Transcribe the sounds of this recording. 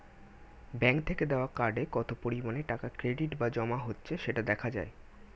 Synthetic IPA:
bɛŋk̚t̪ʰeked̪eoakaɖekɔt̪opoɾimaneʈakakɾeɖiʈbad͡ʑɔmaɦotːɕʰeʃeʈad̪ɛkʰad͡ʑa̰e

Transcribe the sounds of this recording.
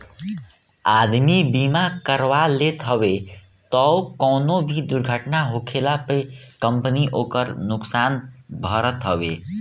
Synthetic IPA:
ad̪mibimakəɾʋalet̪ɦʌbe | t̪əwkɔnobʱid̪uɾɡʱəʈnaɦokʰelapekəmpəniʔokəɾnuksanbʱʌɾət̪ɦəbe

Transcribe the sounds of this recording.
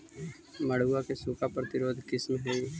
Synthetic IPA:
mɐɽ̤uakesukʰapɾɐt̪ɪɾoːd̪ʱkɪsmɦoi

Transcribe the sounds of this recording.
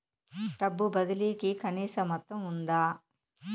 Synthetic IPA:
ʈɐbːubɐd̪ɐliːkikɐniːsɐmɐt̪ːɐmund̪aː

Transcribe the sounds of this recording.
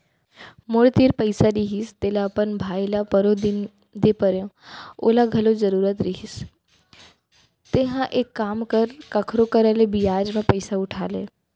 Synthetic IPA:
mʊɽt̪iɾpəɪsaɾiɦist̪elapənbʱaːjlapəɾod̪ɪn | d̪epəɾjõo̰ːlaɡʱɐlozəɾuːɾət̪ɾiɦis | t̪eɦãʔeːkːaːmkəɾkɐkʰɾokəɾəlebijaːd͡ʒmẽpəɪsaʊʈʰa̰ːlḛː

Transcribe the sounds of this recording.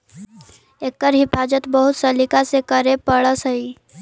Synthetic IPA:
eːkːəɾɦɪfaːd͡ʒət̪bəɦʊt̪sɐlɪkasekəɾepəɭəsɐɦi

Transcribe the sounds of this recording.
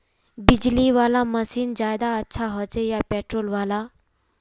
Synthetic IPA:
bid͡ʑliʋalaməsiːnd͡ʑajd̪aətːɕʰaɦɔt͡sejapɛʈɾolʋala

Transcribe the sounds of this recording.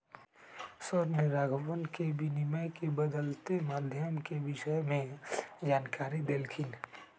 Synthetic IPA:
səɾniɾaːɡʱəwənkebiniməjkebəd̪əlt̪emaːd̪ʱjəmkeʋɪʃəjmẽd͡ʒaːnkaːɾid̪eːlkʰin

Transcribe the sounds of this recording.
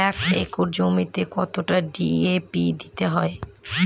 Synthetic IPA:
ɛkekoɾd͡ʑomit̪ekɔt̪oʈaɖiepid̪i̥t̪eɦɔe

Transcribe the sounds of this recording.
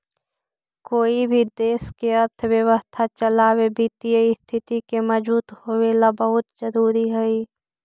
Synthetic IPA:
koːibʱid̪eːskeɐɾt̪ʰʋjəʋəst̪ʰat͡ʃəlaːwebiːt̪ijəist̪ʰɪt̪ikemɐzbuːt̪howeːlabɐɦʊt̪zəɾuːɾiɦɛiː

